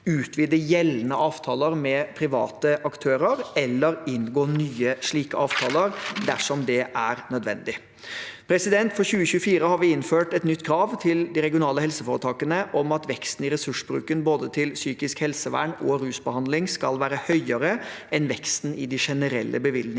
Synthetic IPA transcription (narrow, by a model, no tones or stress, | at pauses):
ʉːt̪ʰʋiːd̪əjɛlənəʔɑːʋt̪ʰɑːləɾmɛpʰɾɪʋɑ̰ːt̪əʔɑkt̪ʰøːɾəɾɛlːəɾɪnɡoːnyːəʂɭiːkəɑːʋt̪ʰɑːləɾd̪æʂɔmd̪ɛʔæɾnœd̪ʋɛ̰nd̪ɪ | pʰɾɛsɪd̪ɛnt̪fɔçʉːəçʉːfiːɾəhɑɾʋɪɪnføːʈɛt̪nʏt̪ːkʰɾɑːʋt̪ʰɪld̪ɪɾɛɡɪʊnɑːləhɛlsəfoːɾət̪ʰɑːkənəʔɔmɑt̪ʋɛkst̪n̩ɪɾɛsʉʂbɾʉ̰ːkənboːd̪ət̪ʰɪlsyːkɪskhɛlsəʋæ̰ɳɔɾʉːsbəhɑnd̪lɪŋskɑlʋæːɾəhœʏəɾə | ɛnʋɛkst̪n̩ɪd̪ɪʂɛnəɾɛ̰lːʔə̰bəʋɪlnɪ